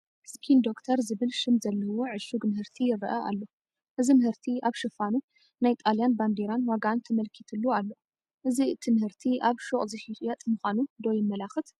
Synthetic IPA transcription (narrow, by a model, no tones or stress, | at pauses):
skʰind̪o̞kt̪ʰɐɾzɨβɨlʃɨmzɐlːɐwo̞ʕɨʃuɡnɨhɨɾt̪ʰijɪrɐʔɐʔa̰lːo | ʔɨzimɨhɨɾt̪ʰiaβʃɨfanu | najt̪ʼaljanband̪eɾanwaɡant̪ʰɐmɐlkʰit̪ʰɨlːualːo | ʔɨzit̪ʰɨnhɨɾt̪ʰiʔaβʃoχʼzɨʃit͡ʃʼjat̪ʼmɨxʷanud̪ojɪmːɐlaxɨt̪